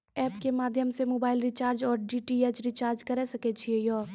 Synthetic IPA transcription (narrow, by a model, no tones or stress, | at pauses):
ɛːp̚kemaːd̪ʱjəmsemoːbaːɪlɾɪt͡ʃaːɾd͡ʒɔːɾɖiːʈieːt͡ʃɾit͡ʃaːɾd͡ʒkɐɾesɐket͡ʃʰiejɔː